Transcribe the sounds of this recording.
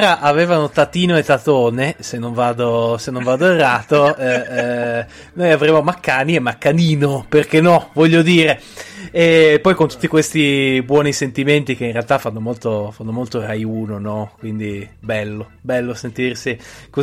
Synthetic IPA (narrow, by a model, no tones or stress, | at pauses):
ɾaʔaveːvanot̪at̪iːnoet̪ːat̪oːnesenːoɱvaːd̪osenːoɱvaːd̪oerːaːt̪oɛ | nojavɾeːmomakːaːniemːakːaniːnoperkenːɔvɔʎːod̪iːɾe | epːɔjkont̪u̥t̪ːikwest̪ibwɔːnisent̪iment̪ik̟einrealt̪afːanːomolt̪ofanːomolt̪orajuːnonɔkwind̪ibɛlːobɛlːosent̪irsiko